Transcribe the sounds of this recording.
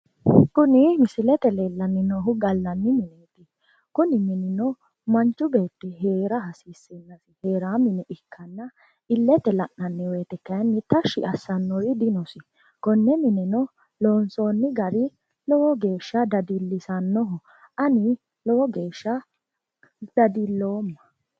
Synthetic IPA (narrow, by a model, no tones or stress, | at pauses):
kʊnɪmɪsɪlɛt̪ɛleːlːɐnːɪnɔɦʊɡɐlːɐnːɪmɪneːt̪ɪ | kʊnɪmɪnɪnɔ | mɐnt͡ʃːʊbe̞ːt̪ːɛɦe̞ːɾɐhɐsiːsɛnːɐsɪhe̞ːɾaːmɪnɛʔɪkʰːɐnːɐ | ɪlːɛt̪ɛlɐʔnɐnːɪweːt̪ɛkːɐjnːɪt̪ɐʃɪ̰ʔɐsːɐnːɔɾɪd̪ɪnɔsɪ | kɔnːɛmɪnɛnɔ | loːnsoːnːɪɡɐɾɪ | lɔwɔɡe̞ːʃːɐd̪ɐd̪ilːɪsɐnːɔɦʊ | ɐnɪ | lɔwɔɡeːʃːɐ | d̪̥ɐd̪ilːo̞ːmːɐ